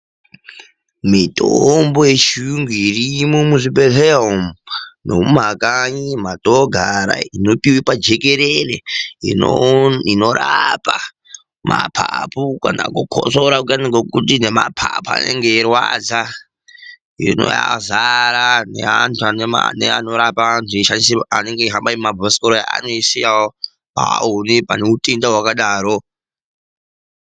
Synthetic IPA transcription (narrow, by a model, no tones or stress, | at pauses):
mitʼombojeʃuŋɡiirimomuʐipeɦeɦomnomumakaɲimatoɡʱaɾa̰ino̞piwipad͡ʒekeɾereinino̞ɾapa | mʔapʰapukana̰kukʰo̰soɾakut͡ʃaniɡokutinemapʰapua̰nḛŋɡeːrwad͡za | ḭno̰jazaɾanḛɦantʰuanema̰neano̞ɾapantueʃandisane̞ŋɡeiɦambaimabʱosi̥koɾoja̰a̰noisijao | a̰unepa̰neutendawakaɗaːɾo